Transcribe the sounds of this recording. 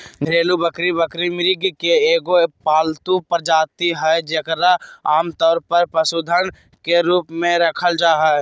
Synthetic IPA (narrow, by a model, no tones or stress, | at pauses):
d̪ʱɾeːlubəkɾibəkɾimɪɾɪɡkeeːɡopaːlt̪upəɾd͡ʒaːt̪iɦɛd͡ʒekɾaaːmt̪ɔːɾpəɾpəsuːd̪ʱən | keɾuːpmẽɾəkʰəld͡ʒaːɦɛ